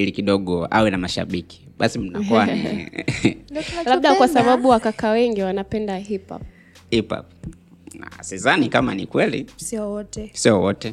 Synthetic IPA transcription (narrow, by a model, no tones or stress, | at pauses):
ilikiɗɔɠɔa̰wɛnamaʃa̰ɓiki̥ | ɓasim̩nakɔanḭ | laɗakwasaɓaɓuwakakawɛŋɡiwanapɛndaɦipa̰p̚ | hipa̰p̚ | asizanikamanikwɛlḭsɔtɛsiɔwɔtɛ